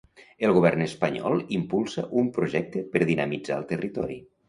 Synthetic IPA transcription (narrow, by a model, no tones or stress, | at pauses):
əlˠɣuβɛrnəspəɲɔ̰lˠimpulˠsəʔumpɾuʒɛk̚t̪əpəɾðinəmid͡zaəlˠt̪ərit̪ɔɾḭ